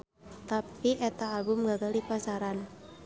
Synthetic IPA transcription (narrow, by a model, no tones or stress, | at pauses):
t̪apiʔɛt̪aːlbʊmɡaɡaldipasaɾan